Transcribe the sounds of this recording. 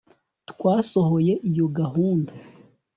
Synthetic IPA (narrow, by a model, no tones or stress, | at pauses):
tkwaːso̞ɦo̞je̞ʔijo̞ɡaɦuːnda